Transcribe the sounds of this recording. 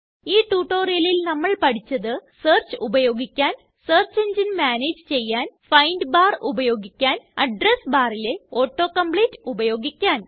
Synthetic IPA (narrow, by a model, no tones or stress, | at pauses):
iːʈuːʈːo̞ːrijɐlilnɐmːɐɭpɐʈit͡ɕːɐðɨseːrt͡ɕɨubɐjo̞ːɡikʲːaːn | seːrt͡ɕːeɲd͡ʑinmaːneːd͡ʑɨt͡ɕe̞jːaːnfɐjnɖɨbaːrubɐjo̞ːɡikʲːaːnɐɖresbaːrile̞o̞ːʈːo̞ːkɐmpɭeːtːubɐjo̞ːɡikʲːaːn